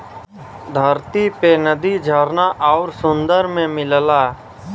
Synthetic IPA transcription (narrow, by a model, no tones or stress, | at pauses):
d̪ʱəɾt̪ipenəd̪id͡ʒʱəɾnaʔɔːʊɾsʊ̃nd̪əɾmẽmɪllaː